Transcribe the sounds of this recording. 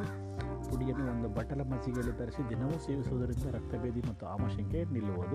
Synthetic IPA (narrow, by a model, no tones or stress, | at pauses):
puɽijɐnːuond̪ubɐʈːɐlɐmɐsiɡeɭit̪ɐɾɐsid̪inɐʋuseːʋisuʋɐd̪ɐɾind̪ɐɾɐk̚t̪ɐbeːd̪imɐt̪ːuaːmɐʃɐŋkenilːuʋod̪u